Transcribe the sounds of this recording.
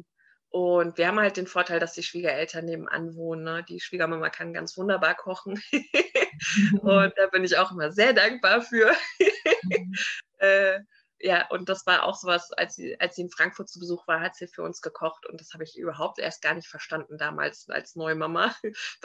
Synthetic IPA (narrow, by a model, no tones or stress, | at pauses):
ʔʊntviːɐhaːm̩halt̚d̥eːnfoːɐtʰaɪldasd̥iːʃv̥iːɡɐʔɛltʰɐnːeːbm̩ʔa̰nvoːnənːəd̥ḭːʃv̥iːɡɐmamɐ̰kʰanɡa̰nt͡sv̥ʊndɐbaːɐkʰɔχn̩ | ʊnt̚d̥aːbɪnɪçaʊxʔɪmɐzeːɐdaŋk̚b̥aːɐfyːɐ | ʔɛː | jaːʔʊ̰nt̚d̥asv̥aːɐʔa̰ʊxz̥oːvasa̰lsz̥ḭːʔa̰lsz̥iːɪnfʁ̥aŋkfʊɐt̚t͡subəzuːxv̥aːɐhatz̥iːfyːɐʔʊ̰nsɡ̥əkʰɔχtʊ̰ntd̥ashaːbəɪçʔy̰ːbɐɦaʊp̚tʔḛːɐst̚ɡ̥aːɐnɪçtfɛɐʃtandn̩daːma̰ːlsʔa̰lsnɔʏəmamɐ